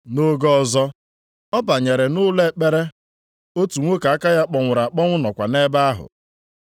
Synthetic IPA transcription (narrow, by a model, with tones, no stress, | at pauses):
no˦ɡɔ˦˨zɔ˦ | ɔ˦ba˨ɲe˨ɾe˨nʊ˦le˦k͡pe˦ɾe˦ | o˦tu˨ŋʷo˦ka˨a˦ka˦ja˦k͡pɔ˨ŋʷʊ˨ɾa˨a˨k͡pɔ˦ŋʷʊ˦nɔ˨kʷa˨ne˦ba˦a˦ɦʊ̰˨